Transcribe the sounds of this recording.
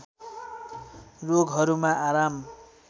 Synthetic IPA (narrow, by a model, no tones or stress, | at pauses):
roɡɦʌɾumaʔaɾam